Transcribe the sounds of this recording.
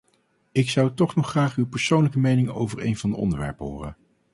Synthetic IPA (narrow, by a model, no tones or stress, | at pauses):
ɪksɑwtɔχnɔχraːχywpəɹsownləkəmejnɪŋo̰wvəɹḛjnvɑndəɔ̰ndəɹʋɛ̰ɹpɦʊːrə̰